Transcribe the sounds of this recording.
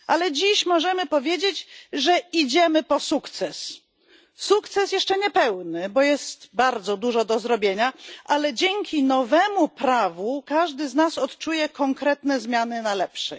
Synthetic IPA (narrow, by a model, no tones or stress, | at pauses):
ʔalɛd͡ʑiɕmɔʐɛmɘpɔvʲjed͡ʑed͡ʑʐɛid͡ʑɛmɘpɔsukt̪sɛs | sukt̪sɛsjɛʂt͡ʂɛɲɛpɛwnɘbɔjɛst̪baɾd̪zɔd̪uʐɔd̪ɔzɾɔbʲjeɲaʔalɛd͡ʑɛŋkʲinɔvɛmupɾavukaʐd̪ɘznasɔt̪t͡ʂujɛkɔŋkɾɛt̪nɛzmʲjanɘnalɛpʂɛ